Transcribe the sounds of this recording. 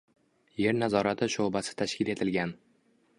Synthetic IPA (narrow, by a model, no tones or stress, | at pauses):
je̞ɾnazɒɾat̪ʰɪʃobasɪ̥t̪ʰaʃkʲɪle̞t̪ʰɪlɡʲan